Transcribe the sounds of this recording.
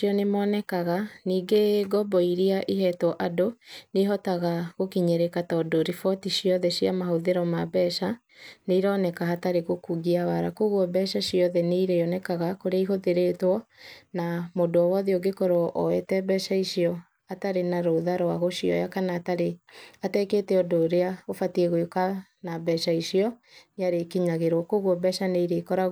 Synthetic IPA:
iɔnemɔːnɛkaɣaniːɡeɡɔbɔiɾiaʔiɦɛtɔʔadoneɦɔtaɣaɣokiɲeɾekatɔdoɾifɔtiʃiɔðɛʃiamahoðeɾɔmabɛʃa | neiɾɔːnɛkaɦataɾeɣokuɣiawaɾakoɣwɔbɛʃaʃiɔðɛneiɾeɔnɛkaɣakoɾeaiɦoðeɾetwɔnamodoɔwɔðeɔɡekɔɾoʔɔetɛbɛʃaiʃiɔ | ataɾenaɾoðaɾoaɣoʃiɔ̰jakanaːtaɾeatɛketɛɔdoːɾeaofatiɛɣoekanabɛʃaiʃiɔ | neaɾekiɲaɣeɾwɔkoɣwɔbɛʃaneiɾekɔɾa

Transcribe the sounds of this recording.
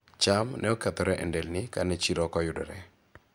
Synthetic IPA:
t͡ʃamnʔɛɔkɛt̪ɔɾɛʔɛ̰ndɛlnɪkanɛt͡ʃiɾɔkɔjʊdɔ̰ɾɛ

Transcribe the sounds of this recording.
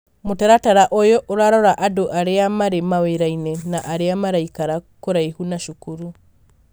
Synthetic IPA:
motaɾataɾaʔojɔʔoɾaɾɔɾaʔadoʔaɾeamaɾemaweɾainɛnaʔaɾeamaɾaikaɾakoɾaihunaʃukuɾu

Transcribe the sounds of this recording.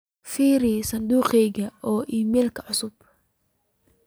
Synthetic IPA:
fiːɾisɐnd̪uːqɛjɣɐʔɔːʔiːmɛːlkʰɐʕʊsʊb

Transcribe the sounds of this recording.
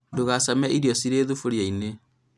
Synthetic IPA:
doɣasamɛʔiɾjɔsiɾeðufuɾiaine

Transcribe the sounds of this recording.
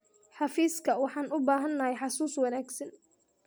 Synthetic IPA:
ħɑfiːskʰɐwɑħɑːnʊbaːɦɐnːɐɦɛjħɑsuːswɑnaːɡsɐn

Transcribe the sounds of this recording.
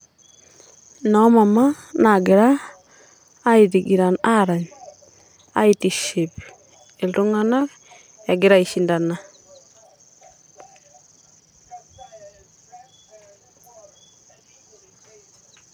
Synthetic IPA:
namamanaɡɪɾa | itiɡiɾanaɾaɲ | a̰itiʃip | elduŋanak | jaɡɪɾaiʃindana

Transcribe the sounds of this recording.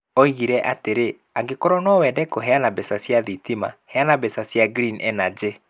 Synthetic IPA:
ɔiɣiɾɛʔa̰teɾe | aɡekɔɾɔnɔwɛdɛkɔɦɛanabɛsasjaðitima̰hɛanabɛsasjaɡɾinɛ̰nad͡ʒe

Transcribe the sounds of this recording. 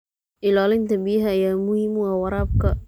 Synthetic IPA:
ʔilalint̪abiɦajamuhimuawaɾap̚ka

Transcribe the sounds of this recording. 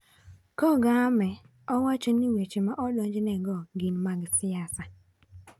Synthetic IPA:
kɔɡamɛ | ɔwat͡ʃɔniwet͡ʃemaʔɔdɔɲd͡ʒnɛɡɔɡinmaɡsɪasa

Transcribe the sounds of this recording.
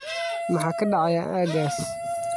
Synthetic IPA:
mɑħɑːkʰɐɖɑʕɑjaʔaːɡaːs

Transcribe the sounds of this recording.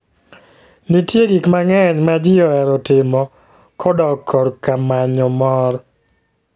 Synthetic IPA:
nitjeɡikmaŋɛɲmad͡ʒɪɔɛɾɔtɪmɔ | kʰɔdɔkʰːɔɾkamaɲɔmɔɾ

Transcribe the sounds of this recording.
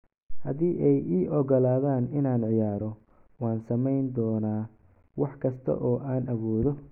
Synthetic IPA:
hɐðiːʔɛjiːʔɔɣɔlaːðaːnɪnaːnʕɪjaːɾɔ | wɑːnsɐmɛjnd̪ɔːnaː | wɑħkʰɐst̪ʰɐ̰ʔɔːʔaːnʔɐwɔːðɔ

